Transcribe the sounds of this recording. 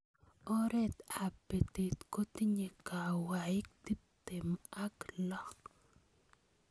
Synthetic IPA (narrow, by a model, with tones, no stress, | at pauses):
ɔ˦ɾɛ˦t̪a˨pe˨t̪i˨t̪ko˦t̪i˦ɲe˨ka˨wa˨ɪ˦k̚t̪i˦p̚t̪ɪ˨ma˦klɔ˦k